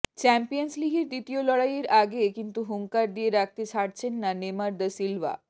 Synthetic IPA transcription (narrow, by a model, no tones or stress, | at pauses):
t͡ɕɛmpijənsliɡeɾd̪it̪ijolɔɽajeɾaɡekint̪uɦuŋkaɾd̪ijeɾak̚t̪et͡ɕʰaɽt͡ɕʰenːanemaɾd̪əsilʋa̰